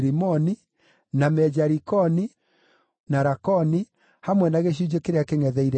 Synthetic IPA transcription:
ɾimɔni | namɛd͡ʑaɾikɔni | naɾakɔni | hamwɛnaɣeʃ̬ud͡ʑekeɾeakeŋɛðɛiɾɛ

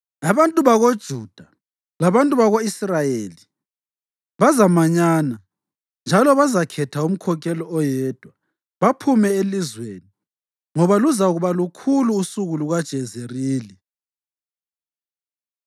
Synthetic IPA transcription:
aβantʼuβaɣod̥ʒ̥ʱuːd̥ʱa | laβantʼuβaɣoisrajeːli | βazamaɲaːna | nd͡ʒʱalɔβazakʰɛtʰaum̩kʰɔk̬ʰɛlɔɔjɛːd̥ʱwa | βapʰumɛelizweːni | ŋɔβaluzauɣuβalukʰuluːsuɣuluɣad̥ʒ̥ʱɛzeriːlɛ

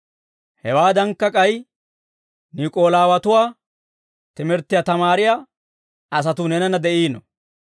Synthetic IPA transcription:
hɛwaːd̪ɐŋkːɐkʼɐj | nikʼo̞ːlaːwɐt̪ʊwaː | t̪ɪmɛɾt̪ːɪjat̪ɐmaːɾɪjaː | ɐs̬ɐt̪ʊnɛnɐnɐd̪ɛʔiːnɔ̰

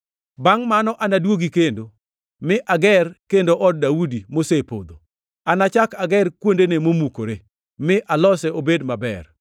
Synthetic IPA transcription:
baŋmanɔʔanadwoɡikendo | mɪʔaɡɛrkendoʔɔd̚daudimosepod̪o | anat͡ʃakaɡɛrkwondenemomukoɾe | mɪʔalɔsɛobedmabɛ̰r

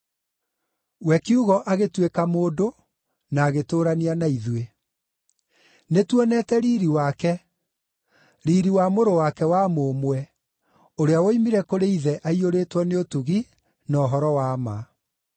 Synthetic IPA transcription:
wɛkiuɣɔʔaɣetwekamoːdo | naːɣetoːɾanianaiðwe | netwɔnɛtɛɾiːɾiwakɛ | ɾiːɾiwamoɾowakɛwamomwɛ | oɾeawoimiɾɛkoɾeiðɛʔaioɾeːtwɔneotuɣi | nɔɦɔɾɔwaːma

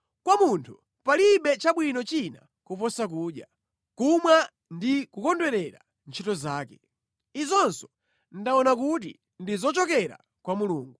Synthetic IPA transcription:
kwamuntʰu̥ | paliɓɛt͡ʃaɓwinɔt͡ʃina̰ | kupɔsak̬uːɗja | kumwa | ndikukɔndwɛɾɛɾa | nt͡ʃʰitɔzaːkɛ̥ | izɔnsɔ̥ | ndaɔnak̬ut̬ḭ | ndizɔt͡ʃɔkɛɾa̰ | kwamuluːŋɡu

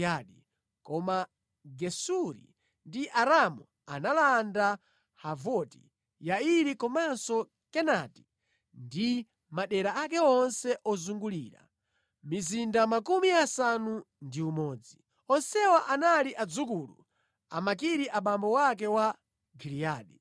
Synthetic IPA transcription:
aɗi | kɔma | ɡɛsuɾḭ | ndiʔaɾamu | a̰nalanda | havɔti̥̰ | jaiɾikɔmansɔ | kɛnati̥ | ndi | maɗɛɾaakɛɔnsɛʔɔzuŋɡulḭːɾa̰ | mizindamakumiasanu | ndiumɔːd͡zi | ɔnsɛwaʔanaliʔad͡zukulṵ | a̰makiɾiʔaɓambɔwak̬ɛwa | ɡiliaːɗi

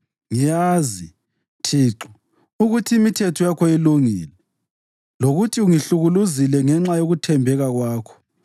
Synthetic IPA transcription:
ŋijaːzi | tʰiːǁɔ | uɣutʰiːmitʰɛtʰɔjakʰɔiluŋiːlɛ | loɣutʰiuŋiɬuɣuluzilɛŋɛŋ͡ǁajoɣutʰɛmbʱɛɣaɣwaːkʰɔ̥

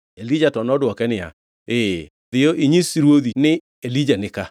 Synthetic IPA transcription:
elid͡ʒatɔnɔdwɔkɛnɪja̰ | e | ðɪjoʔiɲisiɾwoðinɪ | elid͡ʒanɪka

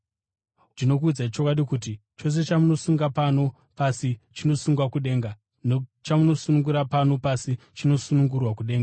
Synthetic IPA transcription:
tino̞k̬uːd͡zait͡ʃo̞kwaɗikut̬it͡ʃo̞s̬e̞t͡ʃamuno̞suŋɡapano̞ | pasit͡ʃino̞suŋɡwakuɗe̞ːŋɡa | not͡ʃamuno̞sunuŋɡuɾapano̞pasi | t͡ʃino̞sunuŋɡurwakuɗe̞ːŋɡa

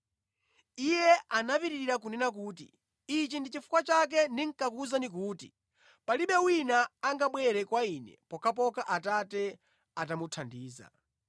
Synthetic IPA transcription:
ijɛanapiɾiɾiɾak̬unɛnak̬uːt̬ḭ | it͡ʃindit͡ʃifu̥kwat͡ʃak̬ɛndiŋ̩kakuzanik̬uːtḭ | paliɓɛwinaːŋɡaɓwɛɾɛkwainɛ̰pɔkʰap̬ɔkaʔatatɛ | atamutʰandiːza̰

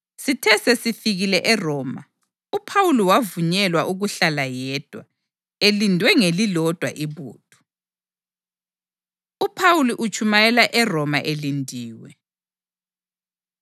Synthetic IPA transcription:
sitʰɛsesifiɣilɛʔɛrɔːma̰ | upʰawuliwavuɲɛlwaʔuɣuɬalajɛːd̥ʱwa | elindʱwɛŋelilɔd̥ʱwa̰ʔiβṵːtʰʼu̥ | upʰawuliʔut͡ʃʰʼumajɛlaʔɛrɔmaʔelindʱiːwɛ̰

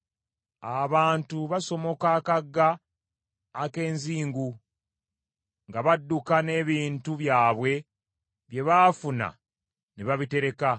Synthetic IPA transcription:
aβaːntuβaso̞mo̞kaːkaɡːaː | ke̞ːnziːŋɡu | ŋɡaβadːukane̞βiːntuβjaːβwe̞ | βje̞βafuna̰ | neβaβite̞ɾe̞ka

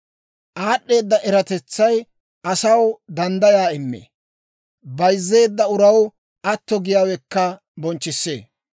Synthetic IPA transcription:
ʔaːɗːe̞ːd̪ːɐʔɛɾɐt̪ɛt͡sːɐj | ʔɐsɐwd̪ɐnd̪ɐjaːɪmːḛː | bɐjzːe̞ːd̪ːɐʊɾɐw | ʔɐt̪ːɔɡɪjaːwɛkːɐ | bɔnt͡ʃːɪsːḛː

